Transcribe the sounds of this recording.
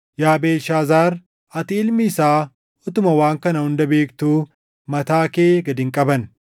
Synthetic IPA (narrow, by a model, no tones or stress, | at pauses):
jaːbeːʃaːzaːɾ | ɐt̪iɪlmɪːsaː | ɔt̪ʊmɐwaːŋkɐnɐhʊnd̪ɐbe̞ːkt̪uː | mɐt̪aːkeːɡɐd̪ɪŋkʼɐbɐn